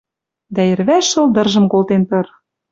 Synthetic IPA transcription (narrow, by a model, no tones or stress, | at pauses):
d̪æerβæʃɤ̆ld̪ɤ̆rʒɤ̆mkolt̪enp̪ɤ̆r